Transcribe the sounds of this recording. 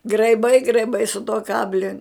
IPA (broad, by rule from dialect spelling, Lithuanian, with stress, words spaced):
ɡrɐɪˈbɐɪ ɡrɐɪˈbɐɪ sʊ tuɔ ˈkɑːbʲlʲɪ